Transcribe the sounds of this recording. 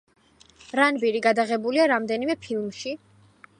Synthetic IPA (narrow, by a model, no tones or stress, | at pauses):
ɾanbiɾiɡad̪aʁɛbuliaɾamd̪ɛnimɛpʰilˠmʃi